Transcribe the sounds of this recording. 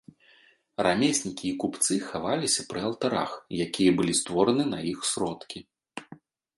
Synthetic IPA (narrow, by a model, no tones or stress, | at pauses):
ramʲesʲnʲikʲiːkupt̪sɨxavalʲisʲɐpɾɨɐlˠt̪aɾa̰xjakʲijɐbɨlʲist̪vɔɾɐnɨnɐjixsɾɔt̪kʲi